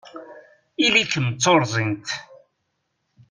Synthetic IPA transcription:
ilikəmt͡sːoɾˤzˤint̪

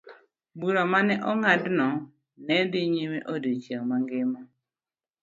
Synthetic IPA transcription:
buɾamanɛʔɔŋadnɔ | nɛdɪɲimeʔodet͡ʃeŋmaŋɡɪma

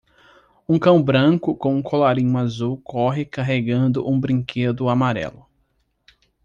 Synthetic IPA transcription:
ũkɐ̃w̃bɾɐ̃kʊkõw̃ũkʰolaɾĩɲʊazuwkɔɦɪkaɦeɡɐ̃nd̪ʊʔũbɾĩkʰed̪ʊamaɾɛ̰lʊ

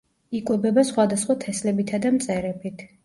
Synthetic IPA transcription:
ikʼwɛbɛbasχwad̪asχwat̪ʰɛslɛbit̪ʰad̪amt̪sʼɛɾɛpʰit̪ʰ

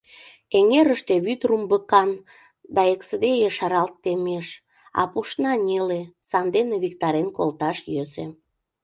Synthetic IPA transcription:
eŋeɾəʃt̪eβyt̪rumbəkɑn | d̪ɑeksəd̪ejeʃɑɾɑlt̪ːemeʃ | ɑ̰puʃnɑnʲelesɑnd̪eneβikt̪ɑɾenkolt̪ɑʃjøzḛ

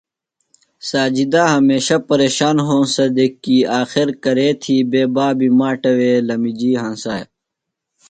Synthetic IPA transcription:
saːd͡ʑid̪aɦɐmeːɕɐpɐɾeːɕaːnɦõːsɐd̪ekːiaːxiɾkɐɾeːt̪ʰiːbeːbaːbimaːʈɐweːlɐmid͡ʑiːɦãːnsaːj

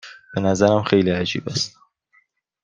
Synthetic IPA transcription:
b̥enæzæɾæmxejliæd͡ʒḭːbæst̪

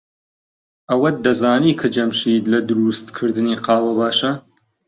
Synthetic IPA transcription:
ʔɐwɐd̪ɐzaːniːkʰɐd͡ʒɐmʃiːd̪lɐd̪ɨɾust̪kʰɨɾd̪ɨniːqɑːwɐbaːʃɐ

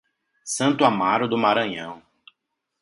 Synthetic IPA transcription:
sɐ̃nt̪ʊamaɾʊd̪ʊmaɾɐ̃ɲɐ̃w̃

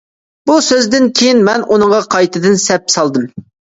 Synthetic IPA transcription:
b̥usøzd̪ɪnkʲʰejinmɛnʔunɨŋʁɑqʰɑjt̪ɨd̪ɨnsɛp̚sɑlˠd̪ɨm

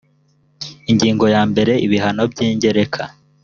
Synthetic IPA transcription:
iɲɟiːŋɡo̞jaːmbe̞ɾe̞iβiɦano̞b̚ɟiːɲɟe̞ɾe̞kʰa

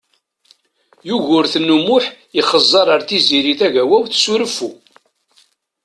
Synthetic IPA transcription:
juʝʊɾθnːumʊħ | iχəzˤːɑɾˤəɾθiziɾiθæʝæwæwθsuɾəfːu

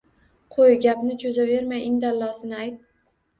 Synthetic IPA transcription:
qʰojɡʲapnɪd͡ʒozave̞ɾmajʔɪŋd̪alːɒsɪnɪajt̪̚

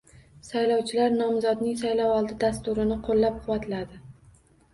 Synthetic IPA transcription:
sajlɒwt͡ʃʰɪlaɾnɒmzɒd̪nɪŋsajlɒwɒlˠd̪ɪd̪ast̪ʊɾɪnɪqʰolːap̚qʰʊwat̪lad̪ɪ

